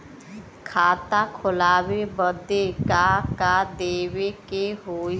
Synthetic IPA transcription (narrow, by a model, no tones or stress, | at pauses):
kʰaːt̪akʰʊlaːwebəd̪ekakad̪eːwekeɦoː